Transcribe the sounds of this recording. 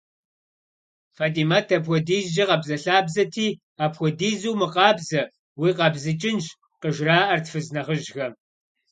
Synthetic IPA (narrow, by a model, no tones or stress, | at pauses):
faːtʼiːmatʰɐpxʷɔdiːzd͡ʒɐqɐbzɐɬaːbzɐtʰiː | aːpxʷɔdiːzuwmɨqɑːbzɐ | wiːqɑbzɨt͡ʃʼɪnʒ | qəʒraːʔɐrtfɨznɐχəʒxɐ